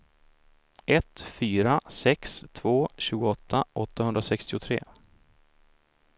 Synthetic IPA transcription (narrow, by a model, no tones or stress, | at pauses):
ʔɛt̪fyːɾasɛkst̪ʰvoːɕʉ̟ːɡʊɔt̪ʰːaʔɔt̪ʰːahɵnd̪ɾasɛkst̪ɪʊt̪ʰɾḛː